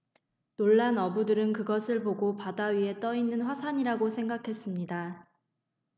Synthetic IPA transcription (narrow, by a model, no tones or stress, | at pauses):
noɭːanʌbudɯɾɯnkɯɡʌsʰɯɭpoɡopadaɥie̞t͈ʌinːɯnɸwasʰaɲiɾaɡosʰe̞ŋɡakʰe̞s͈ɯmɲida